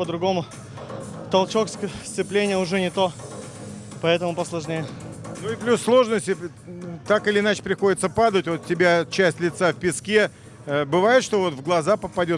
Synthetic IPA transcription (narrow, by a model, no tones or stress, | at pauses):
pəd̪ɾʊɡo̞mʊ | t̪ɐlˠt͡ɕoksst̪sɨplʲenʲɪjəʊʐɛnʲɪt̪o | pɐɛt̪əmʊpəslˠɐʐnʲejənuɪplʲusːlˠo̞ʐnəsʲtʲɪ | t̪akɨlʲɪɪnat͡ɕɪ̥pɾʲɪxo̞dʲɪt̪səpad̪ətʲvo̞t̪tʲːɪbʲat͡ɕæsʲtʲlʲɪt̪safpʲɪskʲe | əbɨvajɪt̪ʂt̪o̞vo̞t̪vɡlˠɐzapəpɐdʲo̞t̪